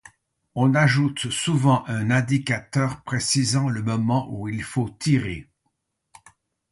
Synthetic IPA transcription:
ɔ̃naʒut̪suvɑ̃ʔɛ̃nɛ̃d̪ikʲat̪œʁpχesizɑ̃ləmɔmɑ̃ʔuilfot̪ʰiʁe

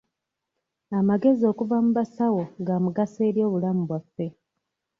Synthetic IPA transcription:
amaɡe̞zio̞ːkuvamuβasawo̞ŋɡaːmuɡase̞ːɾjo̞ːβulamuβwafːe̞

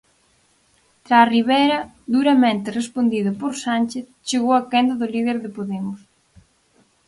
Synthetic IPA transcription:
t̪ɾaːriβɛjɾɐ | ðuɾɐmẽnt̪ɪrespond̪iðʊpoɾsanʲt͡ʃeθt͡ʃeɣowɐkend̪ɐðʊliðeɾðɪpoðemʊs

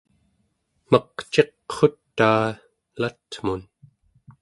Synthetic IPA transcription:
maqt͡ʃe̞qχot̪ːaː | lat̪mun

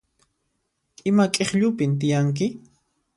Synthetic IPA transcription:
ɪmakʼeχʎʊpɪnt̪ɪjaŋk̬ɪ

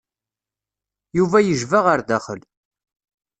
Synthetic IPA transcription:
juvæjəʒvəʁəɾðæχəl

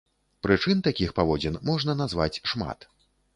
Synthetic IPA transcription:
pɾɨt͡ʂɨnt̪akʲixpavɔd͡zʲɛnmɔʐnɐnazva̰t͡sʲʂma̰t̪

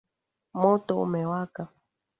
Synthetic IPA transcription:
mɔtɔ̰mɛwaka

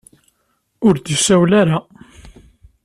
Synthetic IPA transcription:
ʊɾd̪ifsæwlaɾa

